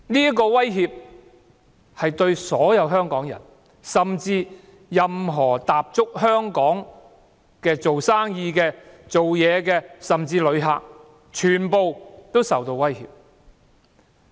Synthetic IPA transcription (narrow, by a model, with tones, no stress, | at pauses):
niː˥k̬ɔː˧wɐ˥jɦiː˧p̚ | hɐ˨jt̪ɵ˧ɥsɔː˨˥jɐ˨˧wɦœː˥ŋkɔː˨˥ŋjɐ̰˨˩n | sɐ˨mt͡siː˧ | jɐ˨mɦɔː˨˩t̪aː˨p̚t͡ʃʊ˥k̚hœː˥ŋkɔː˨˥ŋ | kɛː˧t͡so˨wsaː˥ŋjiː˧kɛː˧t͡so˨wjɛː˨˧kɛː˧sɐ˨mt͡siː˧lɵ˨˧ɥɦa̰ː˨k̚ | t͡ʃʰyː˨˩npo˨˧wt̪o˥wsɐ˨wt̪o˧wwɐ˥jhḭː˨p̚